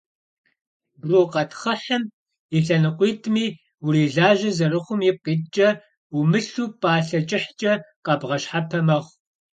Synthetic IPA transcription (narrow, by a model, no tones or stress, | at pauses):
bruːqɐtχɐħɐm | iɬɐnɨqʷiːtʰʼmiː | wʊɾiːɮaːʒɐzɐrɨχʷʊmjɪp̚qiːtt͡ʃʼɐ | umɨɬuːpʼaːɬɐt͡ʃʼɪħt͡ʃʼɐqɐbʁɐɕħapʰɐmɐʁʷ